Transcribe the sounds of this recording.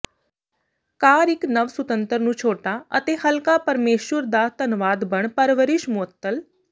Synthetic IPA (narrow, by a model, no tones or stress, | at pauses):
kaːɾɪknəʋsʊt̪ənt̪əɾnũːt͡ʃʰoːʈaːə̰t̪eːhəlkaːpəɾmeːʃwəɾd̪aːt̪ənʋaːd̪bəɳpəɾʋəɾɪʃmʊət̪ːəl